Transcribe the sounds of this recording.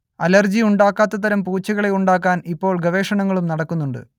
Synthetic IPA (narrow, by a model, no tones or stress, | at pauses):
ɐlɐrd͡ʑiuɳɖaːkːaːt̪ːɐt̪ɐɾɐmpuːt͡ɕːɐɣɐɭe̞uɳɖaːkːaːnipːo̞ːɭɡɐʋe̞ːʂɐɳɐŋːɐɭumnɐɽɐkːunːuɳɖɨ̰